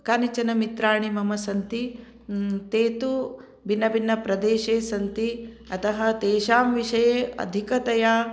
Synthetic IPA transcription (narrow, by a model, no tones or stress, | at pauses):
kaːnit͡ʃɐnɐmit̪ɾaːɳimɐmɐsɐnt̪i | t̪eːt̪u | bʱinːɐbinːɐpɾɐd̪eːʃeːsɐnt̪i | ɐt̪ɐɦɐt̪eːʃaːmʋiʃɐjeːʔɐ̰d̪ʱikɐt̪ɐjaː